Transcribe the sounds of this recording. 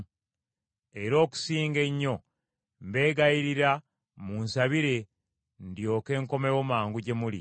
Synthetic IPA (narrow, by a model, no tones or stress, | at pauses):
e̞ɾo̞ːku̥siːŋɡe̞ɲːo̞ | mbe̞ːɡajiɾiɾa | munsaβiɾe̞ | ndjo̞ːke̞ːŋko̞mewomaːŋɡuɟe̞mulḭ